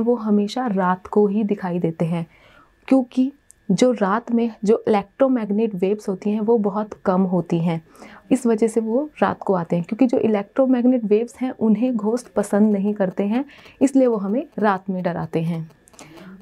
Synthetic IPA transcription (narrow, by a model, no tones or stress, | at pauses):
ʋoɦɐmeːʃaɾaːt̪koɦid̪ɪkʰaːid̪eːt̪eɦɛ̃ː | kjõːki | d͡ʒoːɾaːt̪mẽd͡ʒoːʔɪlɛːk̚ʈɾomɛːɡneːʈʋeːbsɦoːt̪iɦɛ̃ʋobɐɦʊt̪kɐmɦoːt̪iɦɛ̃ː | ɪsʋɐd͡ʒɛɦseʋoɾa̰ːt̪koaːt̪eɦɛ̃kjõːkid͡ʒo̰ːʔɪlɛːk̚ʈɾomɛːɡneːʈʋeːbsɦɛ̃ʔʊnɦẽɡʱoːsʈpɐsə̃nd̪nɐɦĩkɐɾt̪eɦɛ̃ɪslieʋoɦɐmẽɾaːt̪mẽɖɐɾa̰ːt̪eɦɛ̃ː